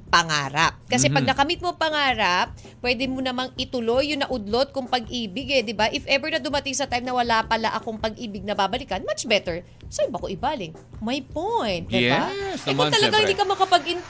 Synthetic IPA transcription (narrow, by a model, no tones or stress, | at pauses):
pɐŋa̰ːɾap̚kɐs̬ɛpɐɡ̚nɐkɐmit̪̚moɐŋpɐŋaːɾɐp̚ | pːwɛd̪ɛmonɐmaŋʔɪt̪ʊlo̞jːʊŋnɐʔʊd̪lo̞t̪̚kʊŋpɐɡʔiːbɪɡɛd̪ɪbaʔɪfʔɛbɛɹnɐd̪ʊmɐt̪ɪŋsɐt̪ajmnɐwɐlapɐlaʔɐkoŋpɐɡʔiːbɪɡ̚nɐbaːbɐlɪkɐnmɐt͡ʃbɛt̪ɛɹ | sɐɪbɐkoʔɪbaːlɪŋ | mɐjpojnt̪̚d̪ɪbaʔɛkot̪ɐlɐaŋhɪd̪ikɐmɐkɐpɐɡʔɪn